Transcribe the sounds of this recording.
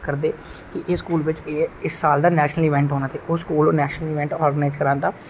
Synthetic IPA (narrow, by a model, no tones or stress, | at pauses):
kəɾd̪eː | kɪʔeːskuːlʋɪt͡ʃeːɪsːaːld̪aːnɛːʃnəliːʋɛ̃ːɳʈɦoːnaːt̪ʰeːʔoːskuːloːnɛːʃnəliːʋɛ̃ɳʈɔːɾɡnaɪzkəɾãːnd̪aː